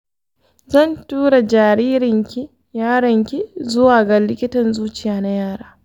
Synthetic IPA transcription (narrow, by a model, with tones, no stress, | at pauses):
zɐ˦˨ntuː˦ɽa˨d͡ʒaː˨ɽiː˦ɾɪ˨ŋkʲi˦ | jaː˦ɽɐ˨ŋkʲi˦zʊ˦waː˨ɡɐ˨lɪ˦kʲɪ˦tɐ˨nzuː˦t͡ʃɪ˨jaː˨˦na˦jaː˦˨ɽaː˦